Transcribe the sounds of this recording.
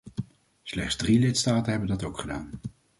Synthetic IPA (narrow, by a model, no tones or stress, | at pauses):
slɛχdz̥drilɪtstaːtənɦɛbəndɑtowkχəda̰ːn